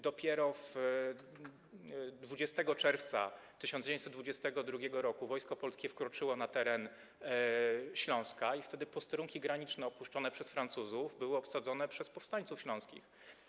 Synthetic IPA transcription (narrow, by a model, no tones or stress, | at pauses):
d̪ɔpʲjɛɾɔf | d̪vud͡ʑɛst̪ɛɡɔt͡ʂɛɾft̪sa̰ | t̪ɘɕɔnd͡ʑevjɲ̃tsɛt̪d̪vud͡ʑɛst̪ɛɡɔd̪ɾuɡʲɛɡɔɾɔkuvɔjskɔpɔlskʲɛfkɾɔt͡ʂɘwɔnat̪ɛɾɛn | ɕlɔ̃w̃skaift̪ɛd̪ɘpɔst̪ɛɾuŋkʲiɡɾaɲit͡ʂnɛɔpuʂt͡ʂɔnɛpʂɛsfɾant̪suzuvbɘwɘɔpsad̪zɔnɛpʂɛspɔfst̪aɲtsufɕlɔ̃w̃skʲḭx